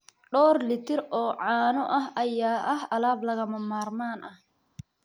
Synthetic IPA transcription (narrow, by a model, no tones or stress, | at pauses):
ɖɔːrlɪt̪ʰɪɾɔːʕɑːnɔʔɐɦɐjaːʔɐɦɐlaːblɐɣɐmɐmaːrmaːnʔɐh